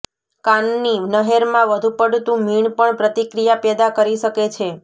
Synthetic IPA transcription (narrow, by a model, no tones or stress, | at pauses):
kanːinəɦeɾmãʋəd̪ʱupəɽt̪ũmiɳpəɳpɾət̪ikɾijapɛd̪akəɾiʃəket͡ʃʰe